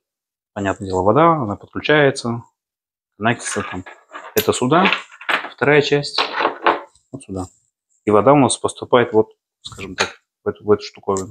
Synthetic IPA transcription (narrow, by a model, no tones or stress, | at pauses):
pɐnʲat̪nədʲe̞lˠəvɐd̪aɐnapət̪̚klʲʉt͡ɕæjɪt̪sə | kɐnakʲɪ̥t̪ət̪amɛt̪əsʊd̪aft̪ɐɾajət͡ɕæsʲtʲ | vot̪sʊd̪a | ivɐd̪aʊnaspəst̪ʊpajɪt̪vo̞t̪ | skaʐɨmt̪ak | vɛt̪ʊvɛt̪ʊ̥ʂt̪ʊkovʲɪnʊ